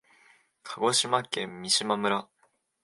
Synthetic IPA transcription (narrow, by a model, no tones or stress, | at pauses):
kʰaɡoɕimak͈emiɕimamɯɾa